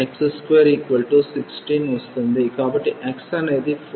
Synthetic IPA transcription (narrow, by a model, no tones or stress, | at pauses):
ekseskʋeɾikʋɐlʈusiksʈiːnʋɐst̪ɐnd̪ekaːbɐʈːiʔeksaːnɐjd̪if